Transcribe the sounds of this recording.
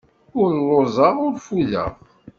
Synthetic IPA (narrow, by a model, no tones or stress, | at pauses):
ʊɾlːozˤɑʁʊɾfuðə̰ʁ